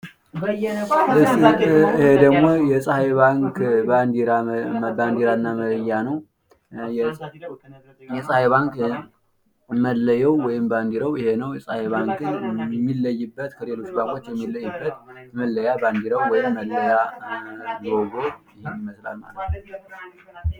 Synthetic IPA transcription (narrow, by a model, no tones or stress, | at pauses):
ɨsihed̪əɡmo̞jɛsʼəheβaŋkand̪iɾaband̪iɾanːamələjːanəw | j | jɛsʼahaβaŋk | məlːəjɛwːɔjɪmband̪iɾəwɪhe̞nəwjɛsʼahaβaŋkɨnmːilːəjːɨbːət̪kʰəle̞lo̞t͡ʃːbaŋkʼo̞t͡ʃːjɛmːilːəjːɨbːət̪̚məlːəjaband̪iɾəwwɔjɪmːəlːəja | ɡoɡot | ɪhemːiməsla̰lma̰lət̪nəw